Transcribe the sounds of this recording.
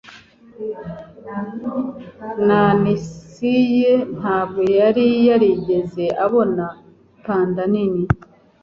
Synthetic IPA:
nanisijen̥haːb̚ɡo̞jaɾijaɾiɟe̞ze̞ʔaβo̞na | taːndanini

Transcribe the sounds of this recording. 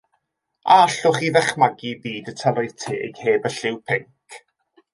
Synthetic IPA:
aaɬʊχiðɛχmaɡibiːdətʰəlɔjð̥tʰḛːjheːbəɬɪwpʰɪŋkʰ

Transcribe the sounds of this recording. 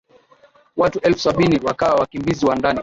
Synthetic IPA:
watuʔɛlfu̥saɓiniwakawawakimbiziwandani

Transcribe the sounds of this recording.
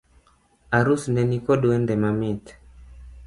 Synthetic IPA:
aɾusnɛnikɔɗuɛndɛmamit̪

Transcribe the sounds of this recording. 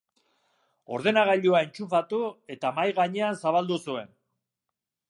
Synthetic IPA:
o̞̰ɾðe̞naɣaʎuae̞nt͡ʃufat̪ue̞t̪amajɣaɲe̞ansaβald̪usue̞n

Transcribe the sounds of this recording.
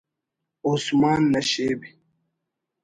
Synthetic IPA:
osmaːnːɐɕeːbi

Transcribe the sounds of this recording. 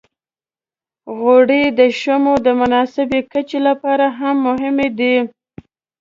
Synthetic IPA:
ɣoɽid̪əʃamod̪əmʊnɑsɪbekət͡ʃelapɑɾaɦamːʊɦɪmed̪i

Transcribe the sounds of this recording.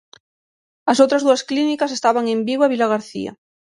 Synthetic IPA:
ɐsowt̪ɾɐzðuɐsklinikas̬est̪aβaŋembiɣwaβilaɣaɾθḭa̰

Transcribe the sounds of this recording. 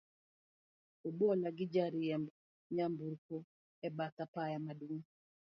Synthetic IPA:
obɔlaɡɪd͡ʒaɾɪɛmb | ɲambuɾkɔ | ɛbat̪apajamaduŋ

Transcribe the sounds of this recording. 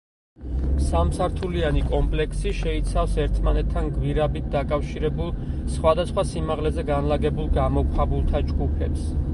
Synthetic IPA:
samsaɾt̪ʰulianikʼɔmpʼlɛksiʃɛit̪sʰafsɛɾt̪ʰmanɛt̪ʰːanɡviɾabit̪̚ʰd̪akʼafʃiɾɛbulˠ | sχwad̪asχwasimaʁlɛzɛɡanlaɡɛbulˠɡamɔkʷʼʰχabulˠt̪ʰad͡ʒɡupʰɛps

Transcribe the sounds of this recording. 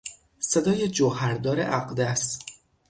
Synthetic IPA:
se̞d̪ɒːjed͡ʒohæɾd̪ɒːɾḛʔæɢd̪æs

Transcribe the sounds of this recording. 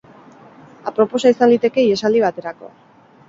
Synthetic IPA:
apɾo̞po̞saisand̪it̪e̞ke̞iesald̪iβ̞at̪e̞ɾako̞̰

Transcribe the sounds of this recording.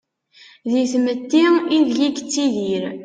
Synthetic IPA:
ðiθmət̪ːiinðʝikt͡sːiðiɾ

